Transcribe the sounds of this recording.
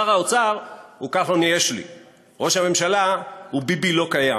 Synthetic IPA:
aʁaot͡saʁhukaχonijeʃlḭ | ʁo̞ʃhame̞mʃalahubibilo̞kaja

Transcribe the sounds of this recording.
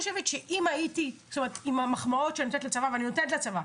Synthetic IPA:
oʃevetʃeʔimajitistome̞etimamaχmao̞tʃeaninotetlat͡savaveaninotenetleat͡sava

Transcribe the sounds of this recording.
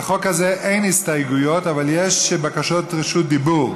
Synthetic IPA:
χokhazeʔejnhistajɡujo̞tavaljeʃbakaʃotʁeʃut̚d̪ibuʁ

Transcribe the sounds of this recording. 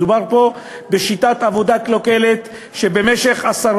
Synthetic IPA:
dubaʁpo̞ | beʃit̪at̪avo̞d̪aklo̞ke̞let̪ | ʃe̞be̞meʃe̞χasaʁ

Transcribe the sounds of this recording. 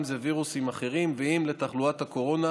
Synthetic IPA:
mzeviʁusimaχe̞ʁimveimle̞t̪aχluat̪hako̞ʁo̞na

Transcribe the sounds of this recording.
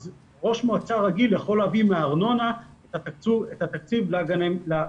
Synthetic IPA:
z | ʁo̞ʃmoat͡saʁaɡilːeχo̞lavimeaːʁno̞naet̪at̪akt͡suet̪at̪ak̚t͡sivlaɡanemla

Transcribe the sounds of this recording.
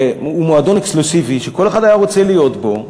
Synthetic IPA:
umoad̪o̞nekslusiviʃeko̞lexχadajaʁo̞t͡selijo̞t̪bo̞

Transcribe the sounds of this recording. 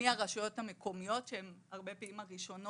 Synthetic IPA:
iaʁaʃajo̞thamekʰo̞mijo̞tʃeemaʁbe̞peimaʁiʃo̞n

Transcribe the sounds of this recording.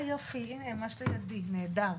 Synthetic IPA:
jofiinemaʃlijad̪ined̪aʁ

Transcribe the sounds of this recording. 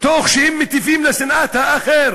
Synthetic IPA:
t̪oχʃehɛmːet̪ifimlasinʔat̪haːχeɾ

